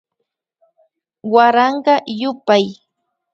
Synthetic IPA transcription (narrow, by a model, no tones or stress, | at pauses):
waɾɑɴɢɑjʊpaj